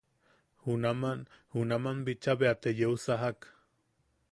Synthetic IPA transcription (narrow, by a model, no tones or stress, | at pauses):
hunamanhunamambit͡ʃaβeat̪ejeusaɦak